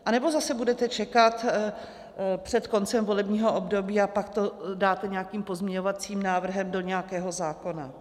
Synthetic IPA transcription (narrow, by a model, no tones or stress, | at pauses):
ʔanɛbo̞zasɛbudɛt̪ɛt͡ʃɛkat̪ | pr̝̥ɛt̪ko̞nt͡sɛmvo̞lɛbɲiːɦo̞ʔobdo̞biːapakt̪o̞daːt̪ɛɲɛjakiːmpo̞zmɲɛɲovat͡siːmnaːvr̩ɦɛmdo̞ɲɛakɛːɦo̞zaːko̞na̰